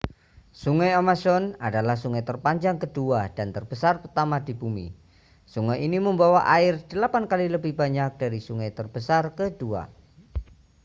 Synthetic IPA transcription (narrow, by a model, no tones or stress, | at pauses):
suŋajamasɔnadalahsuŋajt̪ərpaɲd͡ʒaŋkəduad̥ant̪ərbəsarpət̪amadibumḭ | suŋajiniməmbawaʔaɪrd̥əlapankaliləbɪhbaɲak̚d̥aɾisuŋajt̪ərb̥əsarkədua̰